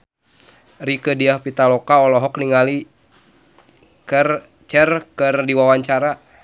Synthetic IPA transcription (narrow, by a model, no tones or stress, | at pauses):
rikədiahpit̪alɔkaɔlɔɦɔkniŋali | kər | t͡ʃɛrkərdiwawaɲt͡ʃaɾa